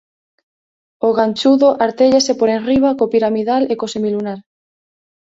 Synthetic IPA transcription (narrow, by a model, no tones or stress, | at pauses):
oɣant͡ʃuðoʔaɾt̪eʎesepoɾenriβ̞akopiɾamiðalekosemilunaɾ